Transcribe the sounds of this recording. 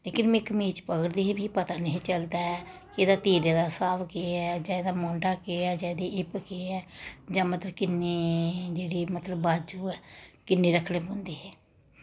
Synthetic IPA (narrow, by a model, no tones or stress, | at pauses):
leːkɪnmɪ̃ːkmiːt͡ʃpəɡəɾd̪iːɦebʱiːpət̪aːnəɦĩːt͡ʃəld̪aːɦɛːkeːd̪aːt̪iːɾeːd̪aːsaːʋkeːɛːd͡ʒaːed̪aːmõːɳɖaːkeːɛːd͡ʒãːd̪iːʔɪpkeːɛːd͡ʒãːmət̪ləbkɪnːeːd͡ʒeːɽiːmət̪ləbːaːd͡ʒuːɛːkɪnːeːɾəkʰɽeːbõːnd̪eːɦɛː